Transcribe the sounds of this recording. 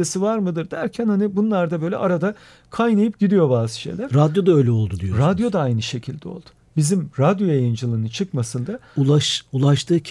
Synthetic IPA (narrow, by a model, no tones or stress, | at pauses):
esivaɾmɯd̪ɯɾd̪æɾcʰænhanibunlˠaɾd̪abø̞jlʲɛ̰ʔaɾad̪a | kʰajnajɯp̚ɟ̥id̪ijo̞baːsʃḛlʲæɾɾad̪jo̞d̪aøjlʲɛo̞lˠd̪ud̪ijoɾad̪jo̞d̪aajnɯʃe̞cʰilʲd̪ɛo̞̰lˠd̪̥ʊ̥ | bizimɾad̪jo̞jajɯnd͡ʒɯlˠɯnɯnt͡ʃʰɯkmasɯnd̪auaʃulˠaʃt̪ʰɯː